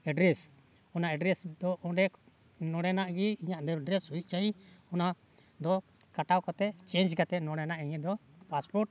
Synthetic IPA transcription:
ɛɖɾɛs | ɔnaɛɖɾɛsd̪ɔɔɖɛ | nɔ̃ɽɛnaʔɡiiɲaʔd̪ɔɖɾɛsuit̪̚ˀt͡ʃaiɔna | d̪ɔ | kaʈawkɔt̪ɛt͡ʃɛ̃nd͡ʒkat̪ɛnɔ̃ɽɛnaʔiɲɛd̪ɔpaspɔɾʈ̚

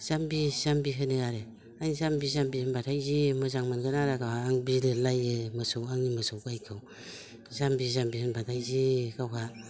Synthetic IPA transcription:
z̥ambizambiɦɯnɯaɾe | aŋizambizambihɯnbatʰajzimɯzaŋmanɡɯnaɾakawhaːŋbilɯlajɯmɯsowaŋimɯsowɡajkʰɯw | zambizambihɯnbatʰajzikawɦa

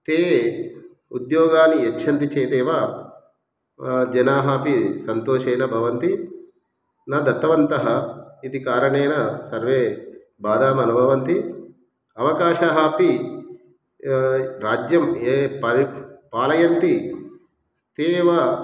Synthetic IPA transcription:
t̪eː | ud̪joːɡaːniet͡ʃːʃʰɐnt̪it͡ʃeːt̪eːʋaː | d͡ʒɐnaːɦaːpisɐnt̪oːʃɐːjnɐbʱɐʋɐnt̪i | naːd̪ɐt̪ːɐʋɐnt̪ɐɦɐid̪ikaːɾɐɳeːnɐsɐɾʋeː | baːd̪aːmɐnubʱɐʋɐnt̪i | ɐʋɐkaːʃɐɦaːpi | ɾaːd͡ʒjɐmeːpɐɾipaːlɐjɐnt̪i | t̪eːʋaː

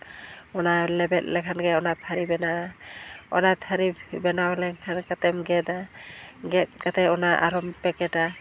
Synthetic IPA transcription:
ɔnalɛbɛt̚lɛkʰanɡɛɔnat̪ʰaɾibɛna | ɔ̰nat̪ʰaɾibɛnawlɛkʰankat̪ɛmɡɛdaɡɛt̚kat̪ɛɔnaʔa̰ɾɔmpɛkɛta

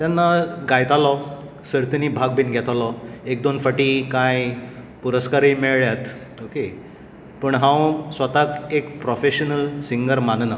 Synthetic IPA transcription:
t̪janːaɡajt̪alɔ | səɾt̪niːbʱaɡ̚biːnɡʱɛt̪alɔek̚d̪onfəʈiːkaj | puɾəskaɾiːmeɭɭjat̪ | oke | pəɳɦãwsʋət̪akekpɾɔfeɕənəlsiŋɡəɾmanna

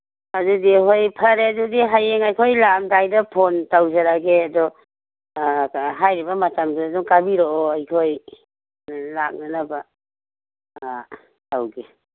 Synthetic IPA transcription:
adudiɦojpʰaɾedudiɦajeŋajkʰojlamdajdapʰontawzaɾaɡeadɔ | ɦajɾibamatamduaduŋkabiɾoɔajkʰoj | lak̚nanaba | tawɡe

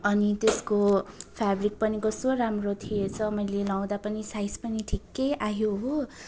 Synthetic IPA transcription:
ʌnit̪eskopʰabrik̚pʌniɡʌsoramrot̪ʰijet͡sʰʌmʌjlelaw̃d̪apʌnisajspʌniʈʰikːʌjaɦjoɦo

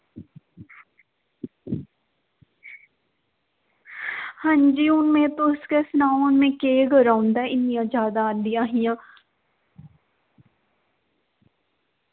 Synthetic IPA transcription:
hãːnd͡ʒiːʊnmẽːt̪oskesnaːnmẽːkeːɡəɾaːʊnd̪aːɪnijãːd͡ʒaːd̪aːnd̪ɪjãːɦɪjãː

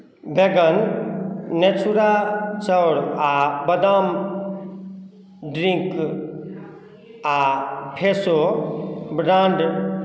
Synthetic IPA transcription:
beɡən | net͡ʃʰuɾat͡ʃəwɽabəd̪am | ɖɾiŋk | apʰeso | bɾaɳɖ

